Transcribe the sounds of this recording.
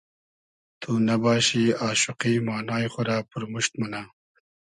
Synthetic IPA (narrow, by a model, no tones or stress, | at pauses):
t̪ʰuːnɐbɑːɕiːɑːʃʊqiːmɑːnɑːjxʊɾaːpuɾmuʃt̪mɐna